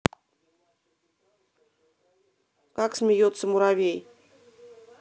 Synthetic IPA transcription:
kɑksmʲejot̪sə̆muɾaβʲej

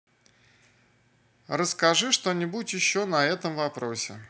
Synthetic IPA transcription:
rəskɐʐɨʂt̪onʲɪbudʲɪt̪jɪɕːonɐɛt̪əmvɐpɾo̞sʲɪ̰

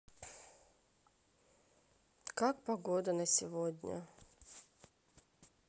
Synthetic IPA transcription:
kak̚pɐɡod̪ənəsʲɪvodʲnʲə̰

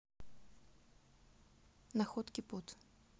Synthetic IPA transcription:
nɐxɔt̪kʲiput̪

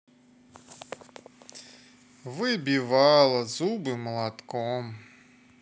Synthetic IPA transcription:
vɨbʲiʋɑlˠɐzubɨmɐlˠat̪kɔm

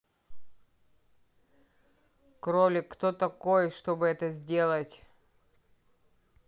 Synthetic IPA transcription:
kɾolʲɪkt̪ot̪ɐko̞jʂt̪obɨɛt̪əzʲdʲe̞lˠətʲ

